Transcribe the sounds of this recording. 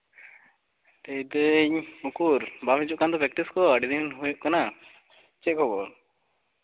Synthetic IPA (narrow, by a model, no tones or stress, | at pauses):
t̪et̪ɛɲukuɾbamit͡ʃuʔkand̪ɔpɾɛk̚ʈiskɔəɖid̪inɦujuʔkana | t͡ʃɛʔ̚kɔbɔn